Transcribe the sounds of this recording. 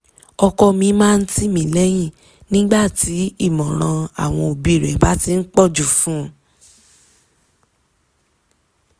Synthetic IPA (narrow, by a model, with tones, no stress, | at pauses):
ɔ˧kɔ˧mĩ˧mãː˦˧n̩˦ti˦mĩ˨˦lɛ˦j̃ĩ˦˨ | nĩ˦ɡ͡ba˦˨ti˨˦i˦˨mɔ̃˨ɾ̃ã˧a̰˦˨w̃ɔ̃˧o˨bi˨˦˨ɾɛ˨˦ba˦ti˧n̩˦k͡pɔ˦˨d͡ʒu˨fũ˨˦